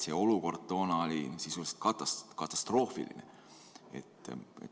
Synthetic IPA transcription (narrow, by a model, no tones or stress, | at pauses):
se̞ːo̞luko̞rt̪ːo̞ːnɑolʲisisulse̥t̪kɑt̪ːɑskɑt̪ːˑɑ̥st̪ro̞ːfḭlḭnḛ | e̞̰t̪ːˑḛt̪